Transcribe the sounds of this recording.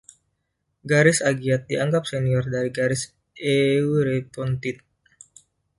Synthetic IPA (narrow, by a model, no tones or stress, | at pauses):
ɡaɾɪsaɡiat̪̚diaŋɡap̚seniɔrdaɾiɡaɾɪs | ʔeuɾet̪ɔnt̪ɪt̪̚